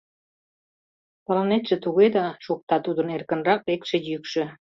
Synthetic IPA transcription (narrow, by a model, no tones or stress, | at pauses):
pɑlɑnet̪ʒĕt̪uɣed̪ɑʃuk̚t̪ɑt̪ud̪ə̆nerkə̆nrɑk̚ek̚ʃĕjykʃø̆